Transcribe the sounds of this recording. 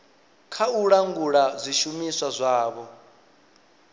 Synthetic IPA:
kʰauɺaŋɡuɺazʷiʃumiswazʷaːβɔ

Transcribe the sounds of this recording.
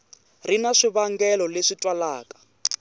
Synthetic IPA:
rinaʂiβaŋɡɛlɔleʂitʼwalaːkʼḁ

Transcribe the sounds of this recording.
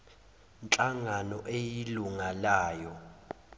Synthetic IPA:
nt͡ɬʼaŋanɔʔejiluŋalaːjɔ

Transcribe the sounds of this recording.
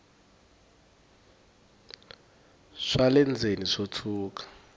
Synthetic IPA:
ʂalɛnd͡zʱeniʂotʰuːkḁ

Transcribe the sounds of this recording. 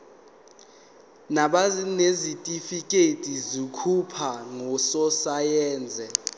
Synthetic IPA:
naɓanezitʼifik̬ʼetʼizikʰupʰaŋɔsɔsajɛːnd͡zʱɛ

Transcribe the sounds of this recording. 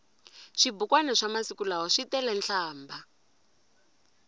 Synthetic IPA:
ʂibukwanɛʂamasikulaɦɔʂitɛlɛnɬʰaːmba

